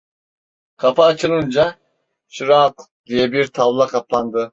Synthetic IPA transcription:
kʰɑpʰaːt͡ʃʰɯlˠɯnd͡ʒa | ʃiɾaːt̪ | d̪ijɛbiɾt̪ʰavlˠakʰɑpʰlˠand̪ɯ

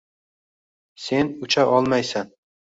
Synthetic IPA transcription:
senʊt͡ʃʰaʔɒlˠmajsan

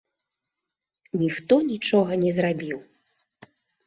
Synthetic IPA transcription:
nʲixt̪ɔnʲit͡ʂɔɣɐnʲɛzrabʲiw

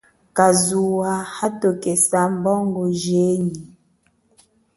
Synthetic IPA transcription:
kazuwahatokesambɔŋɡoʒeɲi

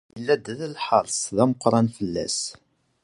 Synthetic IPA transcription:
jəlːæd̪ðəlħəɾˤsˤðæməqːɾˤɑnfəlːæ̰s

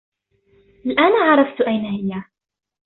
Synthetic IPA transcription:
ʔalʔaːnaʕɑɾˤɑft̪ʔajnahɪjːa

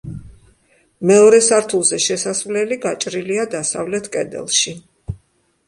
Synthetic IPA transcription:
mɛɔɾɛsaɾt̪ʰulˠzɛʃɛsasvlɛliɡat͡ʃʼɾiliad̪asa̰vlɛt̪ʰkʼɛd̪ɛ̰lˠʃi

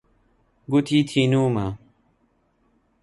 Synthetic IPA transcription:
ɡut̪ʰiːt̪ʰiːnuːma

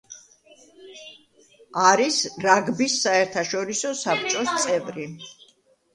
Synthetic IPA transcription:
aɾisɾaɡbisːaɛɾt̪ʰaʃɔɾisɔsap̚ʰt͡ʃʼɔst̪sʼɛvɾi

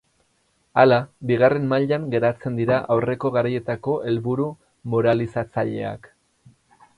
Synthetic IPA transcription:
alabiɣ̞are̞mmaʎaŋɡe̞ɾat͡se̞nd̪iɾaʔawre̞ko̞ɣaɾaje̞t̪ako̞ʔe̞lβuɾu | mo̞ɾalisat͡saʎe̞̰a̰k

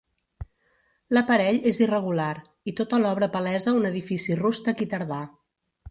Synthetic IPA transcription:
ləpəɾɛʎezirəɣulaɾ | it̪ot̪əlɔβɾəpəlɛzəunəðifisirust̪əkit̪əɾð̞a

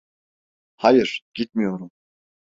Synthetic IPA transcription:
hajɯɾ̥ɡ̥it̪̚mijoɾum

